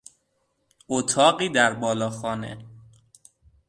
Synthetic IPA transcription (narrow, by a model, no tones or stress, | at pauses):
ʔot̪ʰɒːɢiːd̪æɾbɒːlɒːxɒːnḛ